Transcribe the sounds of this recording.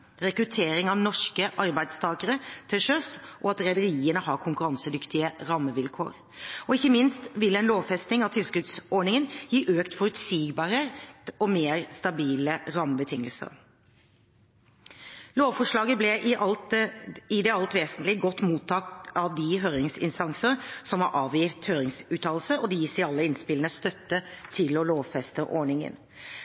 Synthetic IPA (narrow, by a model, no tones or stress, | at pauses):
ɾɛkɾʉt̪ʰeːɾɪŋɑʋnɔʂkəʔɑɾbæɪd̪st̪ʰɑːkəɾət̪ʰɪʂœsʔɔɑt̪ɾɛɪd̪əɾiːənəhɑːɾkʰʊŋkʉɾɑnsəd̪ʏkt̪ɪəɾɑːməʋɪlkʰo̰ːɾ | ɔɪçːəmɪnst̪ʋɪlːəɛnloːʋfɛst̪nɪŋɑʋt̪ʰɪlskʉd̪sɔɖɳɪŋənjiːʔøːkt̪fɔɾʉt̪siːɡbɑːɾəɔmeːɾst̪ɑbiːləɾɑːməbət̪ʰɪŋːəlsə̰ɾ | loːʋfɔʂɭɑːɡəblɛ | ɪd̪ɛɑlt̪ʋeːsənt̪lɪɡɔt̪ːmuːt̪ʰːɑːk̚t̪ɑʋd̪ɪɦøːɾɪŋsɪ̰nst̪ɑŋsəəsɔmhɑ̰ɾʔɑːʋjiːft̪høːɾɪŋsʉːt̪ʰɑːlsəɔd̪ɛjiːsɪɑlːəɪnspɪlənəst̪œt̪ːət̪ʰɪlɔloːʋfɛst̪əʔɔ̰ɳɪŋə̰n